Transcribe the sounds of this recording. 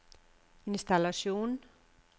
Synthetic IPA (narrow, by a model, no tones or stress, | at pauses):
inst̪alasjun